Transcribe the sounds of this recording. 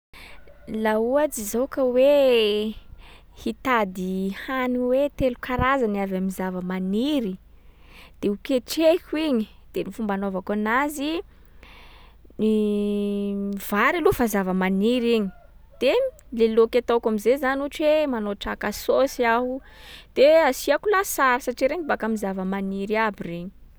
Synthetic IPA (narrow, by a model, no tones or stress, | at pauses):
lauad͡ʒizokəwe | hit̪ad̪ihaniwet̪elukaɾazanavamizavəmaniɾi | d̪̥eukeʈ͡ʂekʲuiɲi | d̪̥enifumbanovakanazi | ni | vaɾalufazavəmaniɾiɲi̥d̪̥elelokʲat̪okamizezanuʈ͡ʂemanoʈ͡ʂakasosiaɦu | d̪̥easiakulasaɾasaʈ͡ʂiɾeɲibakamizavəmaniɾiabireɲi̥